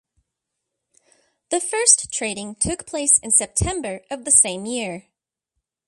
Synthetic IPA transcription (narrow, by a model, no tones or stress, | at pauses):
ðɨfɜ˞sʰɹ̥eɪɾɪ̃ŋtʰʊkpʰl̥eɪsɨ̃nsɛp̚tʰɛ̃mbə˞ʔʌvðɨsẽɪ̃mjɪɹ